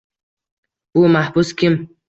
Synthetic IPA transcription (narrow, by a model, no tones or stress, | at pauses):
bumahbuskʰʲim